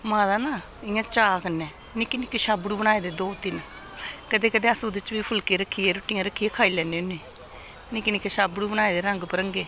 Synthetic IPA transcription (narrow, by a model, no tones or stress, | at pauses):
mãːd̪aːnaː | ɪjãːt͡ʃaːkənːɛː | nɪkinɪkːeʃaːbɽuːbəñaːeːd̪eːd̪oːt̪ɪn | kəd̪eːkəd̪eːəsũːd̪ɪt͡ʃbiːpʰʊlkeːɾəkʰːijeːɾʊʈːɪjãːɾəkʰːiːeːkʰaːilɛːneːoneː | nikinɪkːeʃaːbɽuːbəñaːeːd̪eːɾəŋɡpəɾəŋɡeː